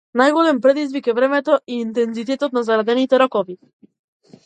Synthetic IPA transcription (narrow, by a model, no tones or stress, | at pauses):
najɡɔlɛmpɾɛd̪izvikɛvɾɛmɛt̪ɔʔiːnt̪ɛnzit̪ɛt̪ɔt̪̚nazaɾad̪ɛnit̪ɛɾɔkɔvi